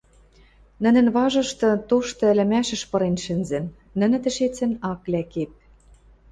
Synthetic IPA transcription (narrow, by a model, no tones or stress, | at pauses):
nə̆nɘ̆nβɑʒɤ̆ʃt̪ɤ̆t̪oʃt̪ɤ̆ɘ̆lɘ̆mæʃɘ̆ʃpɤ̆ɾenʃɘ̆nzɘ̆nː | ə̆nɘ̆t̪ɘ̆ʃet͡sɘ̆nɑklækep̚